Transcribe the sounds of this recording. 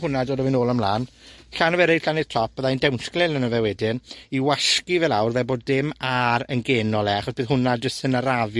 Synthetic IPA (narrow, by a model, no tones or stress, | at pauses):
hʊnadoːdəvɨnoːlˠamlˠaːnɬanɔvɛɾejɬanɪð̥tʰɔp̚bəðandɛwnɬɡlɪlnənəvɛwɛdɪniwaɬkivɛlˠawrvɛboːdɪmaɾənɡeːnɔlˠɛaχɔsb̥ɨːðɦʊnad͡ʒəstənəɾavj